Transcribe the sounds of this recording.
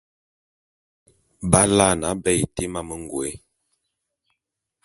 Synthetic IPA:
ba˦la˦˨na˨˦bɛ˦˨te˦ma˦mə˦ŋ˨ɡwe˨˦

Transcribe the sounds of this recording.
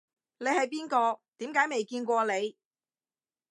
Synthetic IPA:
ne˨˧jhɐ˨jpiː˥nkɔː˧t̪iː˨˥mkaː˨˥jme˨jkiː˧nkʷɔː˧le˨˧j

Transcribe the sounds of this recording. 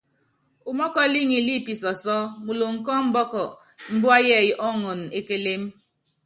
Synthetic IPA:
u˨mɔ˦kɔ˦li˦ŋi˨li˦˨pi˨sɔ˨sɔ˦mu˨lo˨ŋ̩˨kɔ˦m̩˦bɔ˦kɔ˨ | m̩˦bu˦a˦jɛ˦˨jʔɔ˦ŋo˨n˨e˦ke˦le˦m˦

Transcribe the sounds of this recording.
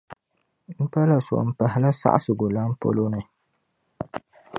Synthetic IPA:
m̩˦pa˦la˨so̰˨m̩˨˦pa˨ɦɪ˨la˦sa̰˦ʔa˦sɨ˨ɡʊ˨la˦m̩˦po̰˦lo˦nɨ˨

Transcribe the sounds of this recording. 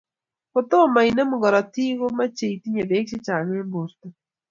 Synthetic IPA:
ko˨t̪o˦˨ma˨i˨ne˦mu˨ɡɔ˨ɾa˨ti˦ɣo˦ma˦t͡ʃe˨i˨ti˦ɲe˨de˨˦kt͡ʃɪ˦t͡ʃa˨ŋe˦mbo˨st̪o˨

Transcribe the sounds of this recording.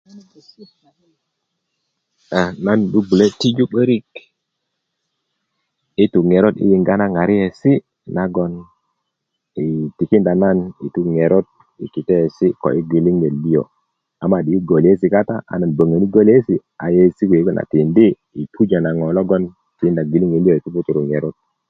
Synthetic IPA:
a˨na˦nɗu˦bu˨le˦ti˦d͡ʒu˦ɓə˦ɾi˦k | i˦tu˨ŋe˨ɾo˦dḭ˦ji˨ŋɡa˦na˦ŋa˨ɾi˦e˨si˦ | na˨ɡɔ˦n | i˨ti˨ki˦nda˨na˦ni˨tu˦ŋɛ˨ɾɔ˦d̚ | ḭ˨ki˨tɛ˦˨si˦kɔ̰˨ʔi˦ɡi˨li˦ŋe˨li˦o̰˨ | a˨ma˦˨ɗi˨i˦ɡo˨li˨e˦s̬i˨ka˦ta̰˦a̰˨na˨nbə˨ŋə˨ni˦ɡo˦li˦e˦si˨a˨je˦˨si˦kwe˨˦ɡɔ˦na̰˨ti˨ndiː˦˨ | tʰu˦d͡ʒa˨na˨ŋɔ˨lɔ˦ɡɔ˦n | ti˨kːnda˨ɡi˨li˦ŋe˨li˦o˨i˨tu˦pu˦tu˨ɾu˨ŋɛ˨ɾɔ˦t̚

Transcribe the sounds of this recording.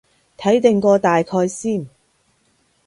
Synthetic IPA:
t̪ʰɐ˨˥jt̪ɪ˨ŋkɔː˧t̪aː˨jkʰɔː˧jsiː˥˩n

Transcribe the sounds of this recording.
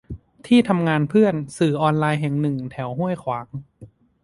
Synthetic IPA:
t̪ʰiː˥˩t̪ʰa˧mŋaː˧npʰɯ˥˩ənsɯː˨˩ʔɔː˧nlaː˧jɦɛ˨˩ŋnɯ˨˩ŋt̪ʰɛ˩˦wɦu˥˩əjkʰwaː˩˦ŋ

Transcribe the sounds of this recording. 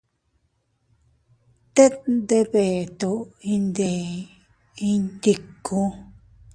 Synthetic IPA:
t̪e˦t̪nd̪e˧βe˨t̪o˧ĩ˧nd̪e˨ | i˧nd̪i˧˨ku˧

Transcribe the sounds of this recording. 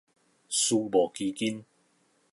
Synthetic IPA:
su˧bɔː˨˩ki˧ki˦˥n

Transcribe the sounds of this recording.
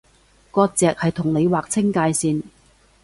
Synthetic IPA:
kɔː˧k̚t͡sɛː˨k̚hɐ˨jt̪ʰʊ˨˩ŋne˨˧jwaː˨k̚t͡sʰɪ˥ŋkaː˧jsiː˧n

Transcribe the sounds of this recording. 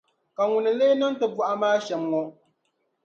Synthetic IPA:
ka˨ŋʊ˨nɨ˨le˦na˦n˦tɨ˨bu˦ʔa˦maː˦ʃɛ˨mŋɔ˦

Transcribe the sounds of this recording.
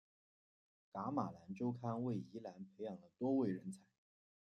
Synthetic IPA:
ka˧˥ma˨˩la˧˥nʈ͡ʂo˥ʊkʰa˥nwe˥˩ɪi˧˥la˧˥npʰe˧˥ɪjɑ˨˩ŋd̪ə˦t̪wɔ˥we˥˩ɪɻə˧˥nt͡sʰa˧˥ɪɪ

